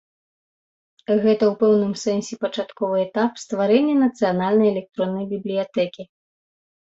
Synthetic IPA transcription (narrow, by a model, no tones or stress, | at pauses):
ɣɛt̪ɐwpɛwnɨmsɛnsʲɛpɐt͡ʂat̪kɔvɨɛt̪apst̪vaɾɛnʲːɛnɐt̪sɨjanalʲnɐjɛlʲɛk̚t̪ɾɔnːɐjbʲiblʲijat̪ɛkʲi